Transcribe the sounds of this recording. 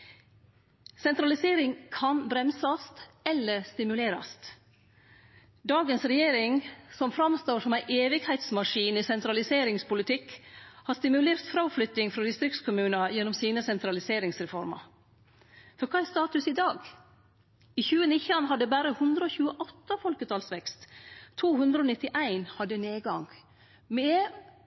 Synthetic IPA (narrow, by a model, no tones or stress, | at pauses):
sɛnt̪ɾɑlɪseːɾɪŋkʰɑnbɾɛmsɑst̪ɛlːəɾst̪ɪmʉleːɾɑ̰st̪ | d̪ɑːɡənsɾɛjeːɾɪŋsɔmfɾɑmst̪oːɾʂɔmæɪʔeːʋɪɡhæɪt̪smɑʂiːniːsɛnt̪ɾɑlɪseːɾɪŋspʊlɪt̪ʰɪkhɑːst̪ɪmʉleːɾt̪fɾɑʊflʏt̪ːɪŋfɾɑd̪ɪst̪ɾɪkt̪skʰʊmʉːnɑjɛnːɔmsiːnəsɛnt̪ɾɑlɪseːɾɪŋsɾɛfɔɾmɑ̰ | fɔɾkʰɑːæɾst̪ɑːt̪ʉsɪd̪ɑːɡ | iːçʉːənɪçɑnɦɑd̪ːəbæːɾəhʉnd̪ɾəoːçʉːəʔɔt̪ːəfɔlkət̪ʰɑːlsʋɛkst̪t̪ʰːuːhʉnd̪ɾəoːnɪt̪ːɪʔæɪnhɑd̪ːəneːɡɑŋɡ | mɛ